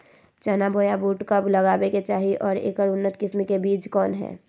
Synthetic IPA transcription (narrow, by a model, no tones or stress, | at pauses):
t͡ʃənabʱoːjabuːʈkəbləɡaːbeket͡ʃaːɦiʔɔːɾḛːkəɾʊnːət̪kɪsmikebiːt͡ʃkɔːnɦɛ̰ː